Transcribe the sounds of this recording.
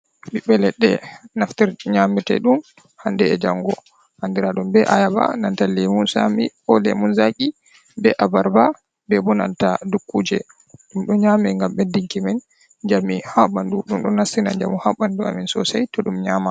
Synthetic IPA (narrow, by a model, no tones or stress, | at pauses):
ɓiɓɛlɛɗːɛ̰naftiɾɲamitɛ̰ɗun | handɛɛd͡ʒaŋɡɔ | handiɾaɗumbɛʔajaba̰nantalimunsa̰mi | ɔlḛmunzaki | bɛʔabaɾba | bɛbɔna̰ntadukːuːd͡ʒɛ | ɗumɗɔɲaːmɛŋɡamɓɛdiŋkimɛn | d͡ʒamihaɓanduɗumɗɔnasinaɲd͡ʒa̰mihaɓandua̰minsɔsajtɔɗumɲama